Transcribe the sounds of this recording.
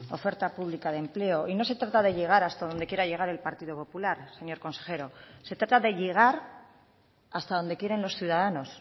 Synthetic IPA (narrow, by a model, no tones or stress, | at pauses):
o̞̰fe̞ɾt̪apuβlikaðemple̞o̞ʔino̞se̞t̪ɾat̪aðe̞ʎe̞ɣ̞aɾast̪aðo̞nd̪e̞kje̞ɾaʝe̞ɣ̞aɾe̞lpaɾt̪iðo̞po̞pulaɾse̞ɲo̞ɾko̞nse̞xe̞ɾo̞se̞t̪ɾat̪aðe̞ʎe̞ɣ̞aɾ | ast̪aðo̞nd̪e̞kje̞ɾe̞nlo̞sθjuð̞aðano̞s